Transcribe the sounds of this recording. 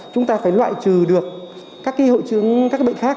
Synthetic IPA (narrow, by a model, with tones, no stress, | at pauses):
t͡ɕʊ˨˦ŋ͡mt̪aː˧faː˧˩jlwa̰ː˧˨jt͡ɕɨ˨˩ɗɨ˨˩ək̚ | kaː˦˥kːaː˨˦jho̰˧˨jt͡ɕɨ˧˦əŋkaː˦˥k̚ɓə̰˧˨ŋxaː˦˥k